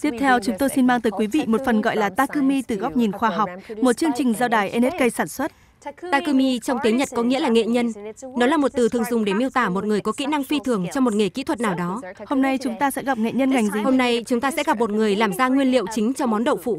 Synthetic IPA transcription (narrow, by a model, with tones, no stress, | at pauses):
t̪i˦˥əp̚t̪ʰɛ˧wt͡ɕʊ˨˦ŋ͡mt̪o˧jsi˧nmaː˧ŋt̪əː˨˦jkwi˨˦vḭ˧˨mo˨˩t̚fə˨˩nɣɔ̰˧˨jlaː˨˩t̪aː˧kɨ˧mi˧t̪ɨ˨˩ɣa˦˥p̚ɲi˨˩nxwaː˧ɦa˨˩wk͡p̚mo˨˩t̚t͡ɕɨ˧əŋt͡ɕï˨˩ŋ̟zaː˧wɗaː˧˩jʔɛ˧ne˦˥t̚kə˧jsaː˧˩nswə˦˥t̚ | t̪aː˧kɨ˧mi˧t͡ɕɔ˧wŋ͡mt̪i˨˦ɲə˨˩t̚kɔ˨˦ŋḭ˧˥əlaː˨˩ŋḛ˧˨ɲə˧nnɔ˨˦laː˨˩mo˨˩t̚t̪ɨ˨˩t̪ʰɨ˨˩ə˩ŋzʊ˨˩ŋ͡mɗe˧˩mi˧əwt̪aː˧˩mo˨˩t̚ŋɨ˨˩əjkɔ˨˦kḭ˧˥na˧ŋfi˧t̪ʰɨ˨˧˩əŋt͡ɕɔ˧ŋ͡mmo˨˩t̚ŋe˧˩kḭ˧˥t̪ʰwə˨˩t̚naː˨˩wɗɔ˨˦ho˧mna˧jt͡ɕʊ˨˦ŋ͡mt̪aː˧sɛ̰˧˥ɣa˨˩p̚ŋḛ˧˨ɲə˧nŋa˨˩jŋ̟zi˨˩ho˧mna˧jt͡ɕʊ˨˦ŋ͡mt̪aː˧sɛ̰˧˥ɣa˨˩p̚mo˨˩t̚ŋɨ˨˩əjlaː˨˩mzaː˧ŋwi˧ənlḭ˧˨əwt͡ɕï˨˦ŋ̟t͡ɕɔ˧mɔ˨˦nɗə̰˧˨wfṵ˧˨